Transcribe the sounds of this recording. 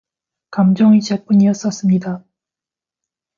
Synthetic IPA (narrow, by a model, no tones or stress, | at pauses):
kamd͡ʑoŋit͡ɕap͈uɲiʌs͈ʌs͈ɯmɲida